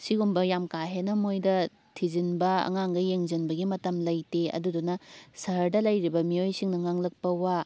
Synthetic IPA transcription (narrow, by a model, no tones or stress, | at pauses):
siɡumbɐjamkaɦenɐmojdɐ | tʰizinbɐɐ̰ŋaŋɡɐjeŋzinbɐɡimɐtɐmlɐjteɐ̰dudunɐsɐɦɐɾdɐlɐjɾibɐmiojsiŋnɐŋaŋlɐk̚pɐwa